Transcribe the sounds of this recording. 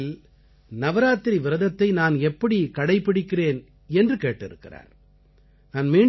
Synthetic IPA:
l | nɐʋɐɾaːt̪ːɪɾiʋɪɾɐðɐt̪ːɐɪnaːnɛpːɐɽikɐɽɐɪpːɪɽɪkːɪreːn | ɛndrɯkeːʈːɪ̰ɾɯ̰kːɪra̰ːɾ | naːnmeː

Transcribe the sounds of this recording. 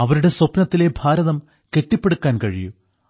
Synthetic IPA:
ɐʋɐɾuɽe̞swopnɐt̪ːile̞bʱaːɾɐðɐm | ke̞ʈːipːe̞ɽukːaːnkɐɻiju

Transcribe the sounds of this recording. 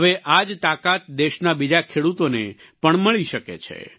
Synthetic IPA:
əʋeʔad͡ʒt̪akat̪̚d̪eʃnabid͡ʒakʰeɽut̪one | pəɳməɭiʃəkḛt͡ʃʰḛ

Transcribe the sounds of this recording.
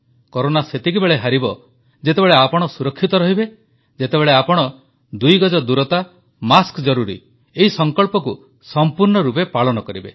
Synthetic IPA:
kɔɾonaset̪ik̬ibeɭeɦaɾibɔ | d͡ʒet̪ebeɭeapɔɽ̃ɔsuɾɔkʰːit̪ɔɾɔɦibe | d͡ʒet̪ebeɭeapɔɽ̃ɔ | d̪ujɡɔd͡ʒɔd̪uɾɔt̪a | maskd͡ʒɔɾuɾḭ | eɦisɔŋkɔɭpɔku | sɔmpuɾɳɔɾupepaɭɔnɔkɔɾibe

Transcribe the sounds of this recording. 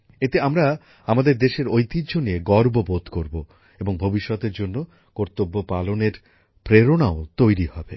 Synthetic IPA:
et̪eamɾa | amad̪eɾd̪eʃeɾojt̪id͡ʑʱonieɡɔɾbobod̪ʱkoɾbo | eboŋbʱobiʃːɔt̪eɾd͡ʑonːo | koɾt̪obːopaloneɾ | pɾeɾonaot̪ojɾihɔbe

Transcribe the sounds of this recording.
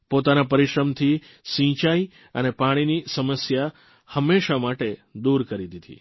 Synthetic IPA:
pot̪anapəɾiʃɾəmt̪ʰi | sĩt͡ʃai | ənepaɽ̃inisəməsja | həmːeʃamaʈed̪uɾkəɾid̪id̪ḭ

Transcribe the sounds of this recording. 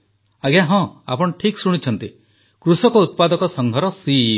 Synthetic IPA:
aɡjaɦɔ̃a̰pɔɽ̃ɔʈʰiksuɽ̃it͡ʃʰɔnt̪i | kɾusɔkɔut̪̚pad̪ɔkɔsɔŋɡʱɔɾɔsi

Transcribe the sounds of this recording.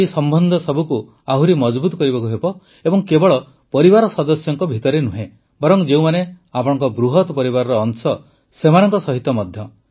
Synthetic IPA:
isɔmbʱɔnd̪ʱɔsɔbʱuku | aɦuɾimɔd͡ʒbut̪ɔkɔɾibɔkuɦebɔ | ebɔŋkebɔɭɔ | pɔɾibaɾɔsɔd̪ɔsjɔŋkɔbʱit̪ɔɾenuɦẽ | bɔɾɔŋd͡ʒeũmane | apɔɽ̃ɔŋkɔbɾuɦɔt̪pɔɾiβaɾɔɾɔːŋsɔ | semanɔŋkɔsɔɦit̪ɔmɔd̪ʱjɔ

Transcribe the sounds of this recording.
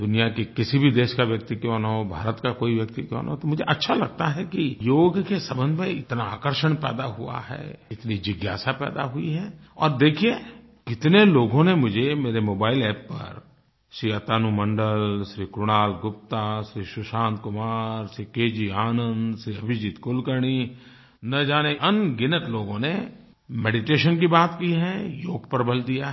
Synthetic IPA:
d̪ʊnijakekɪsibʱid̪eːʃkaʋjək̚t̪ikjõːnaɦobʱa̰ːɾət̪kakoːiʋjək̚t̪ikjõ̰ːna̰ɦot̪omʊd͡ʒʱeʔɐtːʃʰalɐɡt̪aɦɛkijoːɡkesɐbə̃nd̪ʱmẽɪt̪naaːkəɾʃəɽ̃pɛ̰ːd̪aɦua̰ɦɛ̰ːɪt̪nid͡ʒɪɡjaːsapɛ̰ːd̪a̰ɦʊḭɦɛːɔ̰ːɾd̪eːkʰie | kɪt̪neloːɡõnemʊd͡ʒʱemeːɾemoːbaːɪlɛːpːə̰ɾ | ʃɾiːat̪aːnumə̃ɳɖəlʃɾiːkɾʊnaːlɡʊp̚t̪aʃɾiːʃʊʃãːnt̪̚kʊmaːɾsɾiːkeːd͡ʒiaːnə̃nd̪ʃɾiːəbʱɪd͡ʒit̪kʊlkəɾɳiː | nəd͡ʒaːneʔənɡɪnəʈloːɡõne | mɛːɖɪʈeːʃənk̬ibaːt̪kiɦɛjoːɡpəɾbʱəld̪ijaɦ

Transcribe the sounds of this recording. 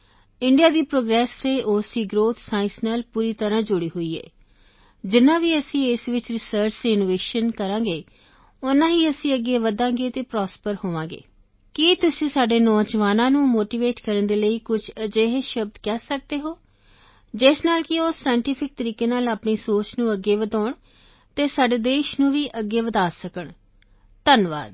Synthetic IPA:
ɪɳɖijaːd̪iːpɾoːɡɾɛːsʋeːʔoːsiːɡɾoːt̪ʰsaːɪnsnaːlpuːɾiːt̪əɾãːd͡ʒʊɽiːɦoiːɛ̰ː | d͡ʒɪnːãːʋiːəsĩːɪsʋɪt͡ʃɾɪsəɾt͡ʃɪnoːʋeːʃənkəɾãːɡeː | ʊnãːɦiːəsĩːəɡːeːʋəd̪ãːɡeːt̪eːpɾɔːspəɾhoːʋãːɡḛː | kit̪ʊsĩːsaːɖeːnɔːd͡ʒʋaːnãːnũːmoːʈiːʋeːʈkəɾənd̪eːləiːkʊt͡ʃʰəd͡ʒeːɦʃəb̚d̪kɛːsək̚d̪eːɦoː | d͡ʒɪsnaːlkɪoːsaːjɪɳʈiːpʰɪk̚t̪əɾiːkeːnaːlaːpɳeːsoːt͡ʃnũːəɡːeːʋəd̪aːɳ | t̪eːsaːɖeːd̪eːʃnũːʋiːʔəɡːeːʋəd̪aːsəkəɳ | t̪ənʋa̰ːd̪

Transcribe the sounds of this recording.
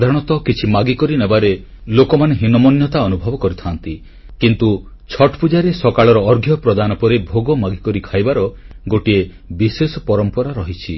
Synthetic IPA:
d̪ʱaɾ̃ɔt̪ɔkit͡ʃʰimaɡikɔɾinebaɾe | lokɔmaneɦinɔmɔnjɔt̪aɔnubʱɔbɔkɔɾit̪ʰant̪i | kint̪u | t͡ʃʰɔʈpud͡ʒaɾesɔkaɭɔɾɔɔɾɡʱjɔpɾɔd̪anɔpɔɾebʱoɡɔmaɡikɔɾikʰajbaɾɔɡoʈie | bisesɔpɔɾɔmpɔɾaɾɔɦit͡ʃʰi

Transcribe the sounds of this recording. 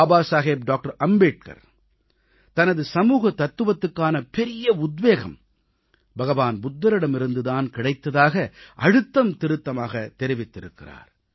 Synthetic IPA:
baːsaːɣeːp̚ɖaːk̚ʈɐɾɐmbeːʈ̚kɐ̰ɾ | t̪ɐnɐðɯsɐmuːɣɐt̪ɐt̪ːɯʋɐt̪ːɯkːaːnɐpɛɾɪjɐʊd̪ʋeːɣɐ̰m | bʱɐɣɐʋaːnbʊd̪ːɐɾɪɽɐmɪɾɯnd̪ɯðaːnkɪɽɐɪt̪ːɐðaːɣɐʔɐɽɯt̪ːɐmt̪ɪɾɯt̪ːɐmaːɣɐt̪ːɛɾɪʋɪt̪ːɪɾɯkːɪra̰ːɾ

